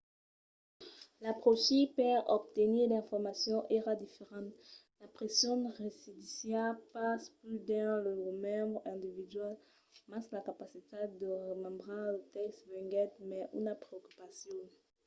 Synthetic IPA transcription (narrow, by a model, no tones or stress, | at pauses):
lapχoʃipɛʁɔ̰p̚t̪eniʁd̪eɛ̃fɔʁmasjɔ̃ʔeʁad̪ifeʁɑ̃t̪ | lapχesjɔ̃nʁesid̪isjɛʁpasplyd̪ɛ̃ləəmɛ̃bʁɛ̃d̪ivid̪ɥal | mãslakapasit̪ed̪əʁəmɛ̃bʁelət̪ɛkst̪vɛ̃ŋɡɛt̪mɛʔṵnapχeoky̥pasjɔ̃